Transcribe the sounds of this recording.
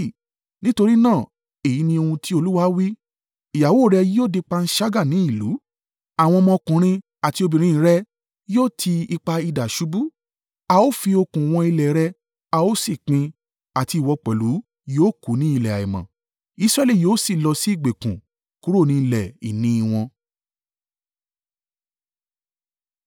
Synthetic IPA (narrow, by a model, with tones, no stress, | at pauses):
nĩ˦to˧ɾi˦nãː˦˨ | e˨ji˨˦nĩ˧o˧hũ˧ti˦o˧lu˦wa˦wi˦ | i˨ja˨wu˨˦o˦˨ɾɛ˧ji˦oː˦˨de˧k͡pa˧n̩˦ʃa˦ɡa˦˨nĩ˨˦i˦˨lu˨˦ | a˨w̃ɔ̃˧mɔ̃˧kũ˨˦ɾ̃ĩ˧ | a˨ti˧o˧bĩ˨ɾ̃ĩ˧˦˧ɾɛ˧ | jo˦˨tʰi˧i˧k͡pa˧i˧da˨ʃu˨˦bu˦ | a˧o˦fi˧o˧kũ˨w̃ɔ̃˧i˧lɛ˨ɾɛ˧ | a˧o˦si˦˨k͡pĩ˧ | a˨ti˧˨wɔ˧k͡pɛ˨lu˨˦ | joː˦˨ku˨˦nĩ˦i˧lɛ˨a˨i˨mã̰˨ | i˧˦sɾɛ˦li˦˨joː˨˦si˦˨lɔ˧si˦i˦˨ɡ͡be˨kũ˨ | ku˨˦ɾo˦˨nĩ˨˦˧lɛ˨ḭ˨nĩ˦i˧w̃ɔ̃˧